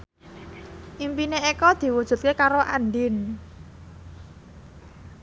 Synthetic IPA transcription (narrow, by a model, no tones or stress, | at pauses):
ʔimpineekɔd̪̥i̤wud̥ʒ̥ṳt̪̚kekaɾoʔanɖɪn